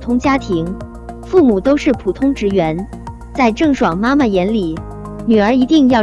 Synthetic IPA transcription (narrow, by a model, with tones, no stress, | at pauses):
t̪ʰʊ˥ŋt͡ɕja˥t̪ʰi˧˥ŋ | fu˥˩mu˨˩t̪o˥ʊʂɻ̩˥˩pʰu˨˩t̪ʰʊ˥ŋʈ͡ʂɻ̩˧˥ɥɛ˧˥n | t͡sa˥˧ɪʈ͡ʂɤ˥˩ŋʂwɑ˨˩ŋma˥ma˥˨jɛ˧˥nli˨˩˦ | ny˨˩ə˞˧˥i˧˥t̪i˥˧ŋjɑ˥˩ʊ